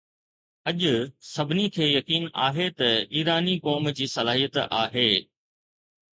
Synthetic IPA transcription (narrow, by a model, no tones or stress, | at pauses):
ɐʄʊsɐbʱɪnikʰeːjɐkiːna̰ːɦet̪ɐiːɾaːnikɔːmd͡ʑiːsɐlaːɦijət̪aːɦeː